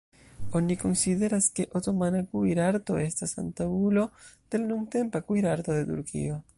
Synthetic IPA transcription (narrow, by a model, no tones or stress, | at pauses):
onikonsiðeɾaskeʔot̪omanakuiɾaɾt̪oest̪asa̰nt̪aulod̪̥elnuŋt̪empakuiɾaɾt̪oðet̪ṵɾkḭo